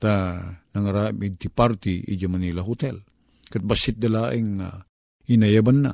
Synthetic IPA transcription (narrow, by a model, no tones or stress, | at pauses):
t̪anɐŋɐɾamɪd̪̚t̪ɪpaɾt̪iḭd͡ʒamɐnilaɦʊt̪ɛl | kat̪̚basɪt̪̚d̪ɐlaːʔɪŋːa̰ | inajabanːa̰